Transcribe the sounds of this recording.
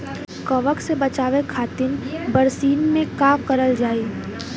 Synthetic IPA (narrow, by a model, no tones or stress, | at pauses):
kɔʋəksebɐt͡ʃaːʋekʰaːt̪ɪnbəɾsiːnmẽkaːkɐɾəld͡ʒaːiː